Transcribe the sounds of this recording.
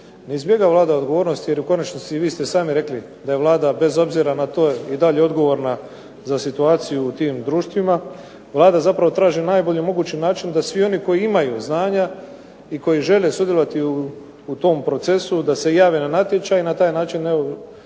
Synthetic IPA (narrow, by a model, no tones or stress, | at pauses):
ne̞izbje̞ɡaʋlˠaːd̪ao̞d̪ɡo̞ʋo̞ːɾno̞st̪ijeɾuko̞nat͡ʃnit̪siʋiːst̪e̞saːmiɾe̞kli | d̪aje̞ʋlˠaːd̪abe̞zo̞bziɾanat̪o̞ːid̪aʎeo̞d̪ɡo̞ʋo̞ɾna | zasit̪uaːt̪sijuːt̪iːmd̪ɾuːʃt̪ʋima | ʋlˠaːd̪azapɾaʋo̞t̪ɾaːʒinaːjbo̞ʎimoɡuːt͡ɕinaːt͡ʃind̪asʋio̞niko̞jiimajuznaːɲa | iko̞jiʒe̞lesud̪jelo̞ʋat̪iuː | t̪o̞mpɾo̞t̪se̞sud̪ase̞jaːʋenanat̪jet͡ʃainat̪aːjnaːt͡ʃineo